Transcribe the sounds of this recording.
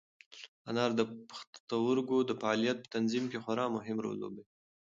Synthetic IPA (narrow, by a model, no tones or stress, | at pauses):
anɑɾd̪əpəxt̪t̪awəɾɡod̪əfaɑlijat̪̚pə̥t̪anzimkexwaɾɑmʊɦɪmɾo̰lːo̰be